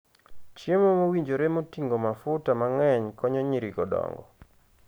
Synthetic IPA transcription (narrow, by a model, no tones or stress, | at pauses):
t͡ʃjemomowiɲd͡ʒoɾemotiŋɡomafʊtamaŋɛɲkɔɲɔɲiɾiɡɔdɔ̰ŋɡɔ̰